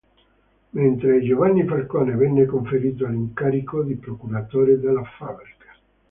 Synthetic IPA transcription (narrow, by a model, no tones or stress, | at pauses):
ment̪ɾed͡ʒovanːifarkɔːnevɛnːekoɱfeɾiːt̪̬oaliŋkaːɾikod̪ipɾokuɾat̪oːɾed̪elːafabɾikḁ